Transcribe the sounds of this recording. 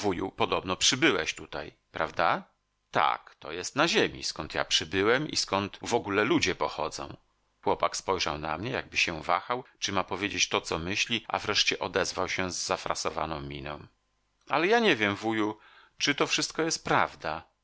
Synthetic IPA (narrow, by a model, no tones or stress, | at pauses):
vujṵpɔd̪ɔbnɔpʂɘbɘwɛɕt̪ut̪aj | pɾavd̪a | t̪a̰kt̪ɔ̰jɛst̪naʑemʲḭskɔnt̪ʰja̰pʂɘbɘwɛmḭskɔnt̪vɔɡulɛlud͡ʑɛpɔxɔd̪zɔ̰̃w̃ | xwɔpakspɔjʐa̰wna̰mɲɛja̰ɡ̚bɘɕɛva̰xawt͡ʂɘmapɔvʲjed͡ʑet͡ɕt̪ɔt̪sɔmɘɕlʲiʔa̰vɾɛʂt͡ɕɛʔɔd̪ɛzvawɕɛ̃zːafɾa̰sɔva̰nɔ̃w̃mʲinɔ̰̃w̃ | alɛjaɲɛvʲjɛmvuju | t͡ʂɘt̪ɔfʂɘst̪̚kɔjɛst̪̚pɾavd̪a